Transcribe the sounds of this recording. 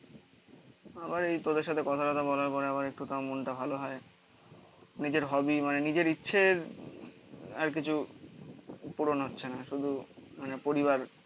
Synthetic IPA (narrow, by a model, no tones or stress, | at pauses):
abaɾejt̪od̪eɾʃ̬at̪ʰekɔt̪ʰaʈat̪ʰabɔlaɾpɔɾeaβaɾek̚ʈut̪amonʈabʱaloɦɔe | nid͡ʑeɾɦɔbimanenid͡ʑeɾitːɕʰeɾ | aɾk̬it͡ɕʰu | puɾonɦotːɕʰenaʃud̪ʱumanepoɾiβaɾ